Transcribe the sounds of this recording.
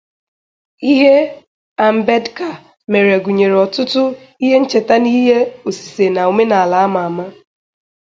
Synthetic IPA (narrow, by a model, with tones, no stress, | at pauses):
i˦ɦe˦ | a˨m̩˨be˦dka˨ | me˨ɾe˨ɡu˨ɲe˨ɾɔ˨tʊ˦tʊ˦ | i˦ɦe˦n̩˦t͡ʃe˨ta˦ni˦ɦe˦o˨si̥˨se˨na˨o˨me˦na˨a˨la˨˦ma˨a˨ma˦